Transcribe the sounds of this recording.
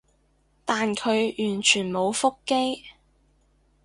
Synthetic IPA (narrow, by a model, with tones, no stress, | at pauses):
t̪aː˨nkʰɵ˨˧ɥjyː˨˩nt͡ʃʰyː˨˩nmo˨˧wfʊ˥kːe˥j